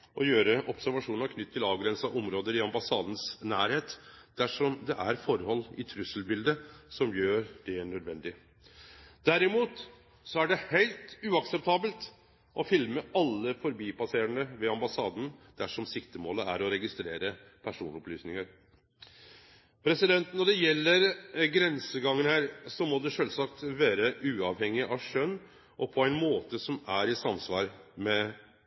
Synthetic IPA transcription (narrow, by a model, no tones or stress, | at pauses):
ʔɔjøːɾəʔɔpsæɾʋɑʂuːnɑɾkʰnʏt̪ʰːɪlɑːʋɡɾɛnsɑʔɔmɾoːd̪əɾɪɑmbɑsɑːd̪n̩snæːɾheːt̪d̪̥æʂɔmd̪ɛʔæɾfɔɾhɔlːɪ̰t̪ʰɾʉsəlbɪld̪əsɔmjøːɾd̪ɛɳœd̪ʋɛnd̪ɪ | d̪̥æɾɪmuːt̪ | sɔæɖɛhæɪlt̪ʉːɑksɛp̚t̪ʰɑːbəlt̪ | ʔɔfɪlməɑlːəfɔɾbiːpɑseːɾəɳəʋɛɑmbɑsɑːd̪nd̪̥æʂɔmsɪkt̪əmoːləæ̰ɾɔɾɛɡɪst̪ɾḛːɾə | pʰæʂuːnɔplyːsnɪŋəɾ | pʰɾɛsɪd̪ɛnt̪nɔɖɛjɛlːəɾɡɾɛnsəɡɑŋːənhæːɾsɔmɔd̪ɛʂœlsɑkt̪ʋæːɾəʔʉːɑːʋhɛŋːɪʔɑʋʂœnː | ʔɔpʰɔæɪnmoːt̪əsɔmæɾɪsɑmsʋɑ̰ːɾmɛ